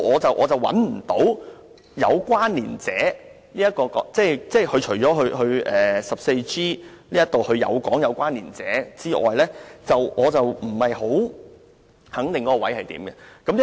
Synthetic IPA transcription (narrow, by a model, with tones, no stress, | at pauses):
ɔː˨˧t͡sɐ˨wʔɔː˨˧t͡sɐ˨wɐ̰˨˥nm̩˨˩t̪o˨˥w | jɐ̰˨˧wkʷwaː˥nliː˨˩nt͡sɛː˨˥ | liː˥jɐ˥t̚kɔː˧kɔ̰˨˧˥t͡sɛː˥˩t͡sɛː˥˩kʰɵ˧ɥt͡ʃʰɵ˨˩ɥt͡ʃɔː˨˥ɦɵ˧ɦɵ˧ɥʔɛː˨sɐ˨p̚se˧jt͡siː˥ | liː˥jɐ˥t̪o˨whɵ˧ɥjɐ̰˨˧wkɔː˨˥ŋjɐ˨˧wkʷaː˥nliː˨˩nt͡sɛː˨˥t͡siː˥ʔɔ̰ː˨˩jlɛː˥t͡sɐ˨wʔɔː˨˧t͡sɐ˨wm̩˨˩hɐ˨jɦo˨˥w | hɐ˨˥ŋt̪ɪ˨ŋkɔː˧˥kɔ˧wɐ˨˥jhɐ˨jt̪ḭː˨˥mkɛ˧kɐ˥m˥